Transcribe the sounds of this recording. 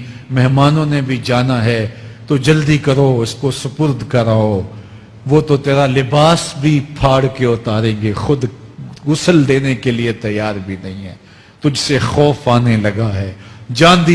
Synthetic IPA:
mɛɦmaːnõnebʱid͡ʒaːnaɦɛt̪od͡ʒɐld̪ikɐɾoɪskosʊpʊɾd̪ʱkɐɾaːoː | ʋoːt̪ot̪eːɾalɪbaːsbʱipʰaːɽkeʊt̪aːɾẽːɡexʊd̪ɡʊsəld̪eːnekeliet̪ɐjaːɾbʱinɐɦĩɦɛ̰ː | t̪ʊd͡ʒsexɔːfaːnelɐɡaɦɛːd͡ʒãːnd̪i

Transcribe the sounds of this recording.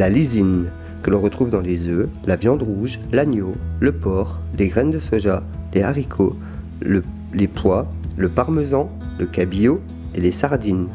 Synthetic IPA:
lalizin | kəlɔ̃ʁət̪χuvd̪ɑ̃lezølavjɑ̃d̪ʁuʒlanjoləpɔʁleɡʁɛnd̪əsoʒa | leaʁikʰo | lə | lepʰwaləpaʁməzɑ̃ | ləkabijo | elesaʁd̪in

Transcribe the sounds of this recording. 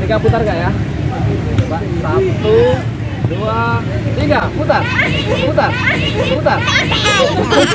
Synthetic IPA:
t̪iɡaput̪arɡaʔja | ba | sat̪u | dua | t̪iɡaput̪arput̪arput̪ar | a

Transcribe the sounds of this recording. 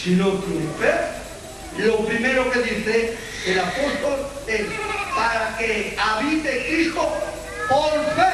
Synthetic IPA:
sinot̪ɾupe | lopɾimeɾokeðiθe | elapost̪olespaɾakeaβit̪ekisko | poɾfe

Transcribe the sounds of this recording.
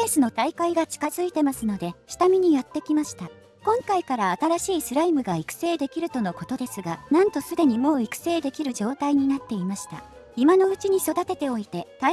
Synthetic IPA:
eːsɨno̞t̪aikaiɡat͡ɕi̥kazɨit̪e̞masɨno̞d̪e̞ɕi̥t̪amʲiɲ̟ijat̪ːe̞kʲimaɕi̥t̪a | kõ̞ŋkaikaɾaːt̪aɾaɕiːsɨɾaimɯ̟ɡaikɯ̟̥se̞ːd̪e̞kʲiɾɯ̟t̪o̞no̞ko̞t̪o̞d̪e̞sɨɡanãnt̪o̞sɨd̪e̞ɲ̟imo̞ːikɯ̟̥se̞ːd̪e̞kʲiɾɯ̟ʑo̞ːt̪aiɲ̟inat̪ːe̞imaɕi̥t̪a̰ | imano̞ɯ̟t͡ɕiɲ̟iso̞d̪at̪e̞t̪e̞o̞it̪e̞t̪a

